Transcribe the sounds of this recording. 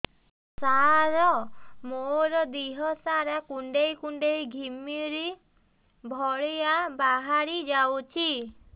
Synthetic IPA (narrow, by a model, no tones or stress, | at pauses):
saɾɔmoɾɔd̪iɦɔsaɾakuɳɖejkuɳɖejɡʱimiɾi | bʱɔɭijabaɦaɾid͡ʒawt͡ʃʰi